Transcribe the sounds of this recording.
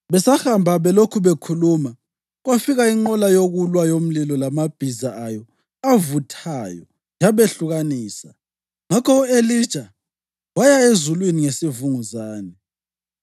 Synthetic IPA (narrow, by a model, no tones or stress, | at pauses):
βɛsahambʱaβɛlokʰuβekʰuluːma | ɣwafiɣaiŋ͡ǃɔlajoɣulwajom̩lilɔlamab̥ʱizaʔajɔ | javutʰajɔ | jaβeɬuɣaniːsa̰ | ŋakʰɔuelid̥ʒ̥ʱa | wajaezulwiniŋesivuŋuzaːnɛ